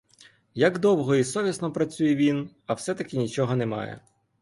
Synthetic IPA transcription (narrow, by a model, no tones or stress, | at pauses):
jɐɡd̪ɔwɦɔisɔʋʲisnɔpɾɐt͡sʲujɛʋʲin | ɐwsɛt̪ɐkʲɪnʲit͡ʃɔɦɔnɛmɑ̰jɛ̰